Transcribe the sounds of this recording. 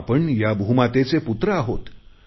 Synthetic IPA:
pəɳjabʱumat̪et͡seput̪ɾəaɦot̪

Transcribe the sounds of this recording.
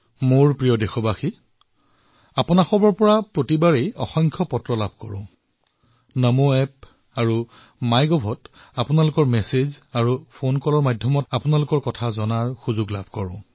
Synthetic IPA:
moɹpɹijɔdexɔbaxi | apunaxɔbɔɹpɔɹapɹotibaɹejɔ̰xɔŋkʰɔpɔtɹɔlabʱkɔ̰ɹʊ̰̃ | nɔmoɛp | aɹu | majɡɔbʱɔt | apʊnalʊkɔɹmɛsezaɹupʰonkɔlɔɹmajdʱjɔmɔtapʊnalʊkɔɹkɔtʰazɔnaɹxuzuɡla̰bʱkɔɹʊ̰̃

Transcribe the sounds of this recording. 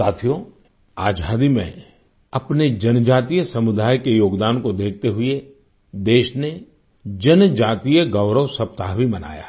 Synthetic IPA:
aːt̪ʰijo | aːd͡ʒʱaːd̪imḛ̃ | ɐpned͡ʒɐnd͡ʒaːt̪ijəsɐmʊd̪aːjkejoːɡd̪aːnkod̪eːk̚ʰt̪eɦʊe | d̪eːʃne | d͡ʒɐnd͡ʒaːt̪ijəɡɐʊɾəʋsɐp̚t̪aɦbʱimɐna̰ːja̰ː

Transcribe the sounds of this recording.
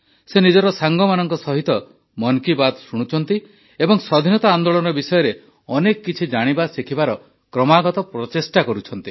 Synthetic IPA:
senid͡ʒɔɾɔsaŋɡɔmanɔŋkɔsɔɦit̪ɔ | mɔnkibad̪suɽ̃ut͡ʃʰɔn̪t̪i | ebɔŋsɔd̪ʱinɔt̪aːnd̪oɭɔnɔbisɔjɔɾe | ɔnekɔkit͡ʃʰid͡ʒaɽ̃ibasikʰibaɾɔ | kɾɔmaɡɔt̪ɔpɾɔt͡ʃesʈakɔɾut͡ʃʰɔn̪t̪i

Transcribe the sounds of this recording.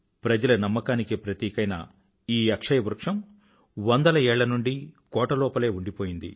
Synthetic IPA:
pɾɐd͡ʒɐlɐnɐmːɐkaːnikipɾɐt̪iːkɐjnɐ̰ | iːɐkʂɐjɐʋuɾkʂɐm | ʋɐnd̪ɐlɐɛːɭːɐnuɳɖikɔːʈɐlɔːpɐle̞ːuɳɖipoːjind̪ḭ

